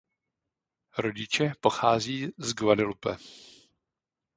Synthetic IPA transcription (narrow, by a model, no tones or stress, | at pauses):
ɾoɟɪt͡ʃɛpo̞xaːziːzɡvadɪlupɛ